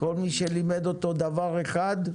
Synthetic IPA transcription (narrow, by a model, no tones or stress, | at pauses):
ko̞lmiʃelimed̪o̞t̪od̪avaʁe̞χad̪